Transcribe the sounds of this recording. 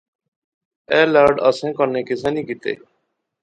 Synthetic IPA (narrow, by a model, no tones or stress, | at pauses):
ɛːləɾɖəsɛ̃ːkəɾneːkes̬ɛ̃ːnĩːkɪt̪ḛː